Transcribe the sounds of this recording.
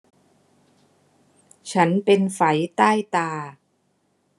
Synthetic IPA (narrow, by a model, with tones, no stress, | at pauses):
t͡ɕʰa˦˥npe˧nfa˩˦jt̪aː˥˩jt̪aː˧